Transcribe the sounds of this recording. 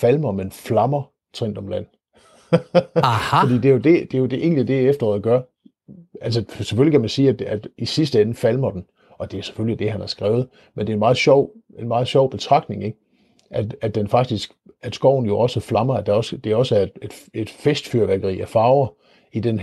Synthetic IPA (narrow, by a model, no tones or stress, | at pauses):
fælmɐmenflɑ̈mɐ | t͡sʰʁeŋ̰d̥ɒ̽mlæn̰ | fɒd̥ḭːd̥e̝jod̥e̝d̥e̝jo̝d̥e̝ʔe̝̰ːnlid̥e̝efd̥ɐʁɒːðˠɡ̥ɶɐ | ælsəse̥følikʰæmænsiːæd̥æd̥isisd̥əenəfælmɐd̥en̩ | ʔɒ̽d̥e̝æse̥følid̥e̝ɦænhæɐsɡ̥ʁɛ̰ːʊð̞̩ˠ | mend̥eenmɑ̈ːð̩ˠɕɒʊ̰e̝nmɑ̈ːð̩ˠɕɒʊb̥e̝t͡sʰʁɑ̈ɡ̥̚dne̝ŋe̝ɡ̥ | ʔæd̥æd̥enfɑ̈ɡ̥̚d̥isɡ̥æ̥sɡ̥ɒʊ̰n̩jo̝ʔɒ̽səflɑ̈mɐæd̥æɒ̽sd̥e̝ɒ̽səæɐed̥ed̥e̝d̥fesd̥fyɐʋæɡ̥ɐʁḭːʔæfɑ̈ːʊɐ | id̥en